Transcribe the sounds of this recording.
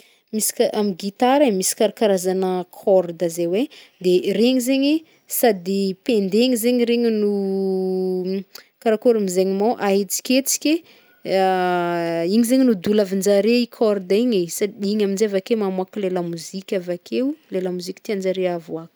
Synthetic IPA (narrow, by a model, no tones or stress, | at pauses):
misi̥kʔamiɡit̪aɾamisi̥kaɾakaɾazanəkʰɔrd̪əzewe | d̪ereŋizeɲe | sad̪ipend̪eɲizeɲɾeɲinu | kaɾakoɾamizeɲimoʔaɦit͡si̥kʲet͡si̥kʲe | iɲizeɲinud̪ulavind͡ʒaɾeikʰɔrd̪iɲesad̪iiɲaminzeavakemamuakilelamuzikʲavakʰewlelamuzikʲi̥t̪iand͡ʒaɾeavuaku̥